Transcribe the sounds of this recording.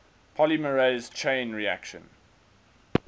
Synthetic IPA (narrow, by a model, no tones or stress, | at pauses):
pʰɔliməɹez̥t͡ʃʰẽɪ̃nɹiæ̰kʃə̰̃n